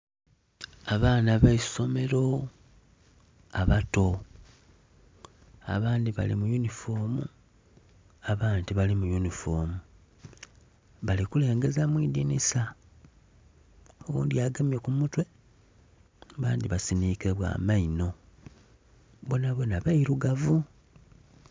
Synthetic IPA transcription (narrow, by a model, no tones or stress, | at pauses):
aβaːnaβaiso̞me̞ɾo̞ | aβato̞ | a̰βaːndiβa̰lḭmujunifo̞ːmṵ | aβaːndiβalimujunifoːmu | βalikule̞ːŋɡe̞zamwiːdinisa | owṵːndiaːɡemjekumutwe̞ | βaːndiβasiniːkeβwa̰ːmaino̞ | βonaβwonaβaiɾuɡavu